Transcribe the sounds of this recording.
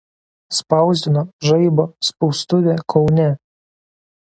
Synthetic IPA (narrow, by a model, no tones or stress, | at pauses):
spɐˑʊzʲd̪ʲɪnoʒɐɪbospɔʊst̪ʊʋʲekʰɒʊnʲɛ